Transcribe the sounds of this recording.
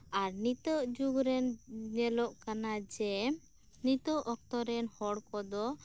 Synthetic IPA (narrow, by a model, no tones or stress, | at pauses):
aɾnit̪əʔd͡ʒuɡɾɛnnɛlɔʔkanad͡ʒɛ | nit̪ɔʔɔk̚t̪ɔɾɛnhɔɽkɔd̪ɔ